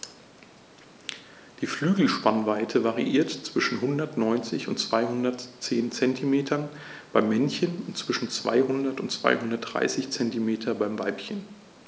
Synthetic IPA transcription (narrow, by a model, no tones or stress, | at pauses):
d̥iːflyːɡl̩ʃpanvaɪtʰəvaʁḭʔiːɐtt͡sv̥ɪʃn̩ɦʊndɐtnɔʏnt͡sɪçʊntt͡sv̥aɪɦʊndɐtt͡seːnt͡sɛntʰimeːtʰɐn | b̥aɪmːɛnçənʊntt͡sv̥ɪʃn̩t͡sv̥a̰ɪɦʊndɐtʊntt͡sv̥a̰ɪhʊndɐt̚d̥ʁa̰ɪsɪçt͡sɛntimeːtʰɐbaɪmvaɪpçən